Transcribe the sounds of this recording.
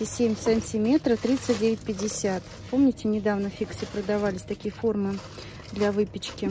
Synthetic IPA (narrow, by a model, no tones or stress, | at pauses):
ɪsʲemʲsʲamʲsʲɪmʲe̞t̪ɾəft̪ɾʲit̪sɨt̚ʲdʲevʲɪtʲpʲɪdʲːɪsʲat̪ | po̞mnʲɪtʲɪnʲɪd̪avnəfʲiksʲɪpɾəd̪ɐvalʲɪsʲt̪ɐkʲijəfo̞rmɨ | d̪lʲɐvɨpʲɪt͡ɕkʲɪ